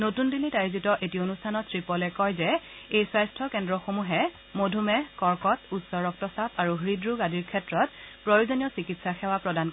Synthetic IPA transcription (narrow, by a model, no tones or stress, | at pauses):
notundilitaɹzitɔʔetionustʰanɔttːɹipɔlɛkɔjzɛejsajstʰɔkɛndɹɔxomuɦɛ | modʱumɛkɔɹkɔtutsɔɹɔk̚tɔsapʰaɹuɦɹidɹuɡadʱiɹkʰɛtɹɔtpɹojozonijɔsikitsaxɛwapɹɔdankɔ